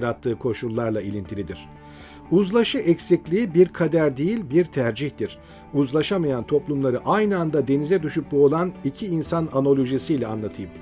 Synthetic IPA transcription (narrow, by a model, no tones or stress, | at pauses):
ɾat̪ʰːɯːkʰo̞ʃulˠːaɾlˠailʲint̪ʰilʲid̪iɾ̝̥ | uzlˠaʃɯʔɛcsiclʲiibiɾkʰad̪æɾd̪ejilʲbiɾt̪ʰæɾd͡ʒiçd̪iɾ̥ | uzlˠaʃamajant̪ʰo̞plˠumlˠaɾɯʔajnɯand̪ad̪e̞nizɛd̪yʃyp̚buolˠanicʰiːnsanano̞lʲˠo̞ʒisijlʲɛanlˠat̪ʰɯjɯm